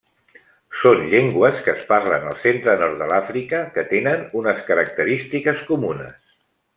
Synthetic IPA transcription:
sonʎeŋɡwəskəːsparlə̰nə̰lˠsent̪ɾənɔɾrt̪̚ðəlafɾikəkət̪enənunəskəɾək̚t̪əɾist̪ikəskumunə̰s

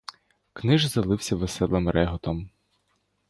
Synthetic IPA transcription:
knɪʒzɐlˠɪwsʲɐʋesɛlˠɪmɾʔɛɦɔt̪ɔm

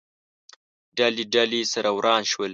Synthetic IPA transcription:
ɖaliɖalisɐɾʔɐwɾʔɑːnʃwəl

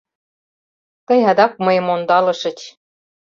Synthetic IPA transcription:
t̪ɤ̆jɑd̪ɑk̚mɤjə̆mond̪ɑlɤ̆ʃɤ̆t͡ɕʲ

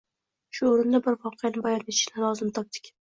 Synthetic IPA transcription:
ʃʊoɾɪnd̪abɪɾvɒqʰɨjanɪbajɒɾet̪ʰɪ̥ʃnalˠɒzɪmt̪ʰɒp̚d̪ɪ̥kʲ

